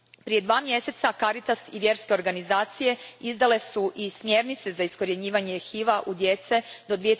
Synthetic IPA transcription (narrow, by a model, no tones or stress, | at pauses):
pɾije̞d̪ʋaːmje̞se̞t̪sakaɾit̪asiʋje̞ɾske̞o̞ɾɡanizaːt̪sije̞izd̪ale̞suʔismje̞ɾnit̪se̞zaisko̞ɾjeɲiːʋaɲexiːʋaʔud̪je̞t̪se̞d̪o̞d̪ʋije